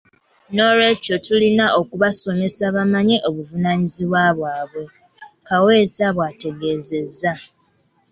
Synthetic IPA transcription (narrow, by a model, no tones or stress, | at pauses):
no̞ɾe̞ːco̞tulinaʔo̞kuβaso̞me̞saβamaɲe̞ʔo̞βuvunaɲiziβwaβwaːβwe̞ | kawe̞ːsaβwate̞ɡeːze̞za